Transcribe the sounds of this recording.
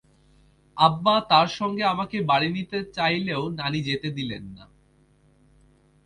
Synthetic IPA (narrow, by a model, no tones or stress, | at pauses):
abːat̪aɾʃɔŋɡeamakebaɽinit̪et͡ɕajleonanid͡ʑet̪ed̪ilenːa